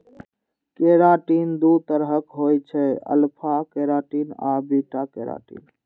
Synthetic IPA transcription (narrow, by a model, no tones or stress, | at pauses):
keɾaʈind̪ut̪əɾɦəkɦojt͡ʃʰɛə̰lpʰakeɾaʈina̰biʈakeɾa̰ʈḭn